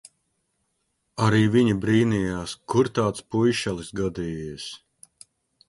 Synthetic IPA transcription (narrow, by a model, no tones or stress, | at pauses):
aɾiːviɲibɾiːnijaːskuɾt̪aːt̪spujʃalˠisɡad̪iːjis